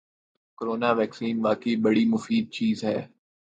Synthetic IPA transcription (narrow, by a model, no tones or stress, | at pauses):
koɾoːnaːʋɛːksiːnʋaːkeibɐɽimʊfiːd̪̚t͡ʃiːzɦɛː